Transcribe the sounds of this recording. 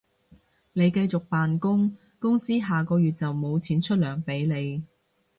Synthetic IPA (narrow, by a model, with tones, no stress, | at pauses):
ne˨˧jkɐ˧jt͡sʊ˨k̚paː˨nkʊ˥ŋ | kʊ˥ŋsiː˥ɦaː˨kɔː˧jyː˨t̚t͡sɐ˨wmo˨˧wt͡sʰiː˨˥nt͡ʃʰɵ˥t̚lœː˨˩ŋpe˨˥jle˨˧j